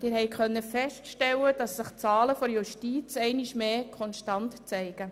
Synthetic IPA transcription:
d̥ɪːɾhɛɪkχœnːəfɛstʃtɛləd̥ɑsːɪχt͡sɑːləfɔɾjuʃtiːt͡sɛɪniʃmeːkʰɔnʃtɑntt͡sɛɪɡ̥ə

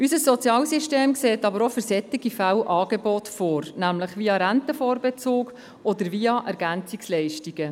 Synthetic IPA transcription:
ysəsːɔt͡sjɑːlsiʃteːmkseːtɑbəɾɔfʏɾsɛt̪iɡifæwʔɑːɡebɔtfoːɾnæmləχʋiɑɾæntəfɔːɾbet͡soːk | ɔd̪əɾviɑʔɛɾɡænt͡sikslɛɪʃtiɡ̥ə

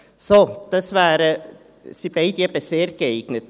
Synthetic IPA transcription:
sod̥ɑsvæːɾə | sib̥eɪdieːb̥əseːɾɡ̥əeɪɡ̥nət

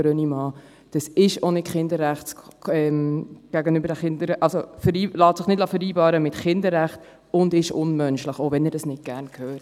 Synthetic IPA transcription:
ɾønimɑː | d̥ɑsɪʃonɪtχɪndəɾːæχtt͡sɛmɡ̥æɡənybəɾdæχɪndəɾʔɑlsofəɾiːlɑːtsɪχnɪdlɑːfəɾiːbɑːɾəmɪtχɪndəɾæχt | ʊndɪʃʊnmœnʃləχoʊvɛnəɾd̥ɑsnɪt̚ɡ̥æɾnkʰhøːt

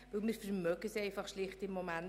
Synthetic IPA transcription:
vəlmiɾfəɾmœkəseɪfɑχʃlɪχtɪmːomæn

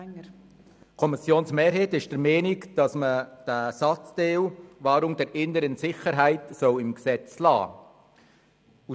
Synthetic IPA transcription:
kʰɔmɪsjoːnsmeːɾɦɛːtɪʃd̥əɾmɛːnɪkd̥ɑsməd̥əsɑt͡sd̥eːlvɑːɾʊŋdɛɾʔɪnəɾənsɪχəɾɦæɪtsɔwɪmɡsɛt͡slɑ̰ː | u

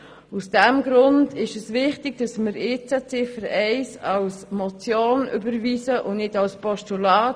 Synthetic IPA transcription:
usd̥ɛmɡɾʊndɪʃɛsvɪχtɪɡ̥̚d̥ɑsmɪɾeɪːt͡sɛt͡sɪfəɾɛɪsɑlsmɔt͡sjoːny̰bəɾviːsəʔʊnnɪdɑlspɔʃtulɑːt

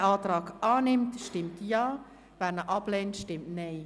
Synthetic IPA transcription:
ʔɑːtrɑːɡʔaːnɪmtʃtɪmtjaː | vɛnəʔɑbleːntʃtɪmtne

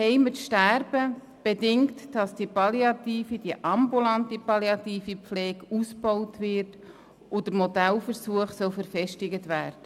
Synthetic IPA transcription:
hɛɪmətʃtærb̥ə | b̥edɪŋtd̥ɑsd̥ipɑljɑtiːfid̥iəʔɑmbulɑntipɑljɑtiːfipflɛːkusbɔʊtʋɪɾt | ʔʊdəɾmɔdælfəɾsuəχsœlfəɾfɛʃtɪɡətʋæːɾd̥ə

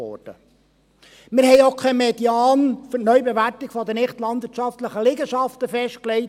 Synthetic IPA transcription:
ɔ̰ɾd̥ə | mɪɾhɛjokʰɛmed̥jɑːnfʏtnœʏɥbeʋæɾtɪɡfɔd̪ənɪχtlɑnd̥̪ʋɪːɾtʃɑftləχəlɪɡəʃɑft̪əfɛʃt̚klɛɪ

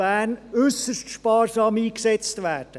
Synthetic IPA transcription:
æːnʏsəʃtʃpɑːrsɑːmiːksɛt͡stʋæːɾd̥ə

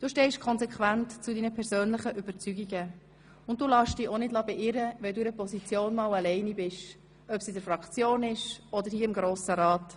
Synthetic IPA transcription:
d̥uːʃtɛɪʃkʰɔnzɛkʰvæntt͡sudiːnəpʰɛɾzøːnlɪχəʔyb̥əɾt͡syɡiɡə | ʊnt̚d̥uːlɑːʃd̥iːɔnɪdlɑbɛʔɪɾəʋɛld̪uːɪɾəpɔsit͡sjoːnmɑːlɑlɛɪnibɪʃ | œpsidəɾfɾɑkt͡sjoːnɪʃɔd̪əɾhiːɪmɡɾoːsəɾɑːt

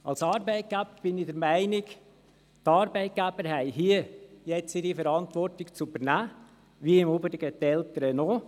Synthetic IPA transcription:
ɑlsɑːɾbɛɪt̚ɡ̥æbəb̥ɪnɪd̪əɾmæɪnɪɡ | t̪ɑːɾbɛɪt̪̚ɡ̥æb̥əɾɦɛɪɦiəjɛt͡sɪɾifəɾɑnt̪ʋɔɾtɪkt͡subəɾnæː | ʋiɪmubəɾɪɡət̪ːɛlt̪əɾənɔː

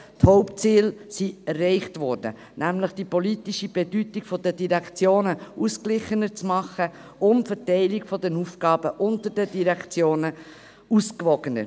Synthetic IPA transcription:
thɔʊpt͡siːlsiɛrːɛɪχtvɔːɾd̥ə̰ | næmləχd̥ipɔlitiʃib̥edytikfɔdədiɾɛkʰt͡sjoːnəuːsklɪχənət͡smɑχə | ʊmfɛɾtɛɪlɪɡfɔdɛnufɡ̥ɑːb̥əʔʊntəd̥ədiɾɛkt͡sjoːnə | uskvɔɡ̥ənə̰ɾ

